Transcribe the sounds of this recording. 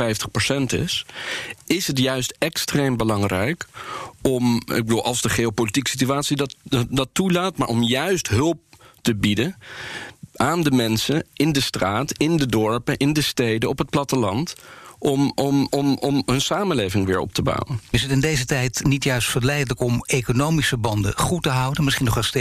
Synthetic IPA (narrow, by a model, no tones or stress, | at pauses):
ɛjftəχposɛntɪ̰s | ɪsɦətjœɥstɛkstrejmbəlɑŋrɛjkɔmɪ̰ɡ̚bəduːlˠʔɑ̰lˠzdəχeowpolitiksityaːtsidɑdɑtulaːtmaːɹʔɔmjœɥstɦɵlˠp̚təbidən | ʔaːndəmɛnsəɪndəstraːtɪndədɔɹpənʔɪndəstejdəɔpɦət̚plɑtəlɑntʔɔmɔmɔmɔmɦɵnsaːmənlejvɪŋʋɪːɹɔ̰p̚təba̰wənɪsətɪndejzətɛjtnitjœɥstfəɹlɛjdələkɔmejkonowmisəbɑndə̰χutəɦʌwdənmɪsχinɔχɛst